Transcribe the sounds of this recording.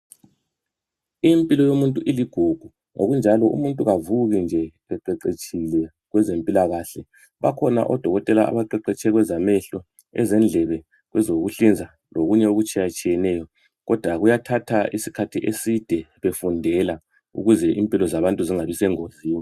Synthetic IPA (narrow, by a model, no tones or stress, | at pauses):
impʼilɔjomuntʼuʔiliɡ̥ʱuɡ̥ʱu | o̰ɣund͡ʒʱalɔʔṵmuntʼuɣavuɣind͡ʒʱɛ | ɛǃɛǀet͡ʃʰʼilɛ | ɣwɛzempʼilaɣaɬɛ | βa̰kʰɔna̰ʔɔd̥ʱɔɣɔtʼɛla̰ʔa̰βaǃɛǃɛt͡ʃʰʼɛɣwɛzamɛɬɔ | ɛ̰zɛnd͡ɮʱɛβɛ | ɣwɛzoɣuɬind͡zʱa | loɣuɲɛuɣut͡ʃʼʰijat͡ʃʼijɛnɛːjɔ | ɣɔd̥ʱwaɣujatʰatʰaisi̥kʰatʰiʔesid̥ʱɛβefundʱɛla | ṵɣuzɛʔimpʼilɔzaβantʼuziŋaβisɛŋoziːma